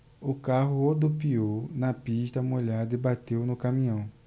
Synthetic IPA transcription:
ʊkaɦʊod̪opiownɐpiʃt̪ɐmoʎad̪ɐibat̪ewnʊkɐmĩɐ̃w̃

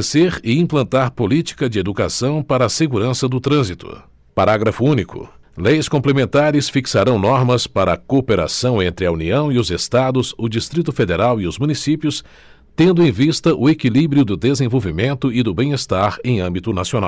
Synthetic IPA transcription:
eseɾɪĩmplɐ̃nt̪aɾpolit͡ʃi̥kɐd͡ʒɪed̪ukasɐ̃w̃paɾɐːseɡuɾɐ̃sɐd̪ʊt̪ɾɐ̃zit̪ʊ̰ | paɾaɡɾɐfʊũnikʊ̰ | lejskõmplemẽnt̪aɾɪsfiksaɾɐ̃w̃nɔɾmɐspaɾɐkopeɾa̰sɐ̃w̃ẽnt̪ɾɪɐuniɐ̃w̃iʊzest̪ad̪ʊzʊd͡ʒist̪ɾit̪ʊfed̪eɾawiʊzmunisipjʊs | t̪ẽnd̪ʊẽj̃vist̪ɐʔʊekilibɾiʊd̪ʊd̪ezẽvowvimẽnt̪ʊɪd̪ʊbẽj̃est̪aɾẽj̃ɐ̃mbit̪ʊnasiona̰w

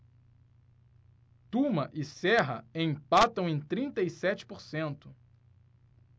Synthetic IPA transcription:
t̪ũmɐʔɪsɛɦɐẽj̃pat̪ɐ̃w̃ẽj̃t̪ɾĩnt̪ɐisɛt͡ʃɪ̥poɾsẽnt̪ʊ̥

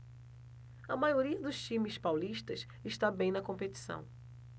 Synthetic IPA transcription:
ɐmajoɾiɐd̪ʊst͡ʃĩmɪspawliʃt̪ɐs | ɪʃt̪abẽj̃nɐkõmpet̪i̥sɐ̰̃w̃

